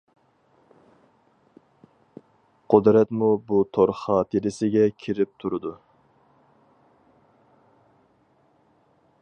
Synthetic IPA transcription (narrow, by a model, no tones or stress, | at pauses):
qʰʊd̪ɾɛt̪mubut̪ʰoɾχɑːt̪ʰɨɾɪsɪɡʲɛkʲʰiɾɪp̚t̪ʰuɾɨd̪u